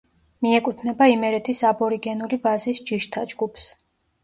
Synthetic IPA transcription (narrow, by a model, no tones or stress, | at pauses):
miɛkʼut̪ʰnɛbaimɛɾɛt̪ʰisabɔɾiɡɛnulibazisd͡ʒiʃt̪ʰad͡ʒɡupʰs